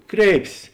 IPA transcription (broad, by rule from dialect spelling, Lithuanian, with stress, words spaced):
ˈkrʲɛɪpʲsʲeːs